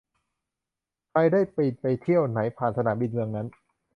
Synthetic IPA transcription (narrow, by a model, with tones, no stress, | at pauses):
kʰɾa˧jdaː˥˩jpi˨˩t̪̚pa˧jt̪ʰi˥˩əwna˩˦jpʰaː˨˩nsa˧naː˩˦mbi˧nmɯ˧əŋna˦˥n